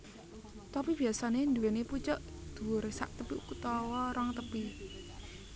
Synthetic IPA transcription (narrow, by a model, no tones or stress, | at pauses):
t̪apib̥i̤asanend̪uweneput͡ʃəʔd̪̥ṳwʊɾesa̰ʔt̪əpiʔukut̪ɔwɔɾɔŋt̪əpi